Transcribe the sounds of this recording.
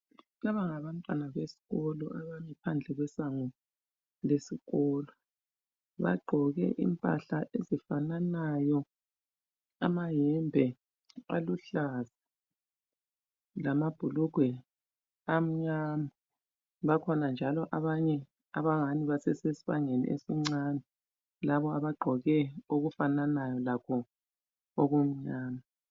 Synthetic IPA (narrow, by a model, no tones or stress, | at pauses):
laβaŋaβantʼwanaβesi̥ɣɔlɔʔaβamipʰand͡ɮʱɛɣwɛsaŋu | lesiɣɔlɔ | βa̰ɡ͡ǃʱɔɣɛ̰ʔḭmpʼa̰ɬaʔezifananajɔ | a̰majɛmbʱɛ | a̰luɬazḁ | lamab̥ʱuluɡ̥ʱwɛ | am̩ɲama | βakʰɔnand͡ʒʱalɔʔaβaɲɛ | aβaŋaniβasɛsesiβaŋenḭʔḛsiŋ͡ǀanɛ | laβɔaβaɡ͡ǃʱɔɣɛoɣufananajɔlakʰɔ | ɔɣom̩ɲaːma